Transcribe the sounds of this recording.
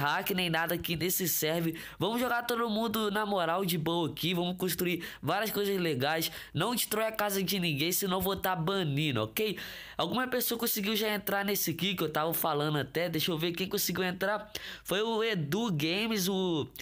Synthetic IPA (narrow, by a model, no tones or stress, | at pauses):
ɦakɪnẽj̃nad̪ɐakinesɪsɛɾvɪ | vɐ̃mʊzʒoɡat̪od̪ʊmũd̪ʊnamoɾawd͡ʒɪbowɐkivɐ̃mʊskõʃt̪ɾuivaɾiɐskojzɐzleɡajs | nɐ̃w̃t͡ʃɪ̥t̪ɾojakazɐd͡ʒɪnĩɡẽj̃sɪnɐ̃w̃vot̪abɐ̃nĩnʊɔ̰kej | awɡũmɐpesoɐkõsɪɡiwʒaẽnt̪ɾanesɪkikɪewt̪avɐfalɐ̃nd̪ʊat̪ɛd̪ejʃowvekẽj̃kõsɪɡiwẽnt̪ɾafojʊed̪uɡẽjmɪzʊ